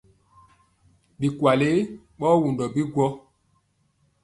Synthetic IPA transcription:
bi˨kwa˨le˦ | ɓɔ˦wu˨ndɔ˨bi˦ɡwɔ˦

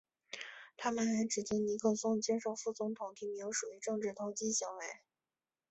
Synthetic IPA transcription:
t̪ʰa˥mə˨nɻə˧˥nʈ͡ʂɻ̩˨˩t͡ɕi˥ŋni˧˥kʰɤ˥˩sʊ˥˩ŋt͡ɕjɛ˥nʂo˨˩ʊfu˥˩t͡sʊ˧˥ŋt̪ʰʊ˨˩˦ŋt̪ʰi˧˥me˧˥jo˧˥ʂu˨˩y˧˥ʈ͡ʂɤ˥˧ŋʈ͡ʂɻ̩˥˩t̪ʰʊ˥ŋt͡ɕi˥ɕi˧˥ŋwe˧˥ɪ

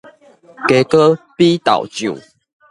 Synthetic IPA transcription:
ke˨˩kə˦pi˦t̪a̰˨˩ʊwt͡ɕjṵ˨˩˨

